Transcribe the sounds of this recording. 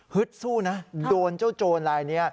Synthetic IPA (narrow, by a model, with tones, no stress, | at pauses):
hɯ˦˥t̪̚suː˥˩na˦˥doː˧nt͡ɕaː˥˩wt͡ɕoː˧nɾaː˧jni˦˥ɐ